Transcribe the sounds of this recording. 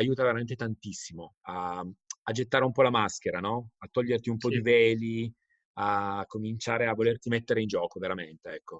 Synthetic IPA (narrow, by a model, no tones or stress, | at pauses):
ajuːt̪aveɾament̪et̪ant̪isːimoaad͡ʒːet̪ːaːɾeumpɔlamask̟eɾanɔat̪ːɔʎːert̪iumpɔd̪iveːli | akːomint͡ʃaːɾeavːolert̪imet̪ːeɾeind͡ʒɔːkoveɾament̪eɛkːo